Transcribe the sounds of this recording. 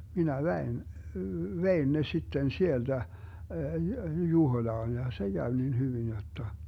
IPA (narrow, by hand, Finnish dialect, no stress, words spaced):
minæ ʋɛin ʋein ne sitːen sield̥æ juhoĭlɑːn jɑ se ɡ̊æʋ nin hyʋin jotːɑ